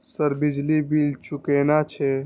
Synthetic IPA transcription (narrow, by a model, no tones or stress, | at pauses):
səɾbid͡ʒlibilt͡ʃukenat͡ʃʰɛ